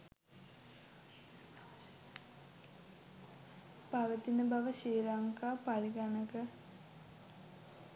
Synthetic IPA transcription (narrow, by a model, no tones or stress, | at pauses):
paʋət̪inəbɐʋəʃiːɾaŋkaːpaɾiɡanəkə